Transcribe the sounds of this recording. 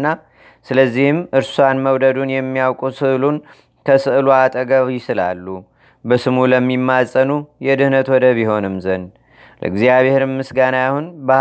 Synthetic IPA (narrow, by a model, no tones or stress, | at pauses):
nːa | sɨləzːihɨmɨɾsuanməwd̪əd̪unjɛmːijawkʼusɨʔlun | kʰəsɨʔɨluat̪ʼəɡəβjɪsɨla̰lːu | bəsɨmuləmːimːasʼənujɛd̪ɨhnət̪wɔd̪əβiho̞nɨmzən | lə̰ɨɡzijaβeheɾɨmːɨsɡanajahunbə